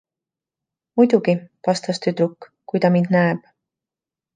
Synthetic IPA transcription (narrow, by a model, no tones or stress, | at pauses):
mujd̪uɡ̥ipɑst̪ɑst̪yt̪ɾukː | kːujt̪ɑmind̪̥næeb̥